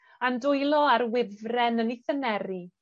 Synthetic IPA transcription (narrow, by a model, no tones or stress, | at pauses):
andʊjlˠɔaɾwɪvrɛnəniθənɛɾi